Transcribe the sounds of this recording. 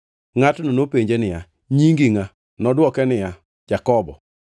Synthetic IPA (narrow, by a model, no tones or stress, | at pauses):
ŋatnonopeɲd͡ʒenɪja | ɲiŋɡiŋa | nɔdwɔkɛnɪja | d͡ʒakɔbɔ̰